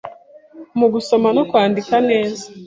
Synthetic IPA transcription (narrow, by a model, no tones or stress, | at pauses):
muɡuso̞manokwaːndikane̞ːzḁ